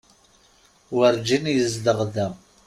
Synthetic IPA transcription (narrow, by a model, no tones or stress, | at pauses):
wəɾd͡ʒinjəzd̪əʁðæ